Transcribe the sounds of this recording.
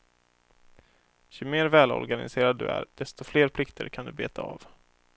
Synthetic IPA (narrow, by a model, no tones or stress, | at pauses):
ɕɵmeːɾvɛːlɔ̰ɾɡanɪ̰seːɾad̪̚ːɵ̟æ̰ɾd̪̥ɛst̪ɔfleːɾpʰlɪkt̪ʰəɾkʰand̪ɵbeːt̪ʰaa̰ːv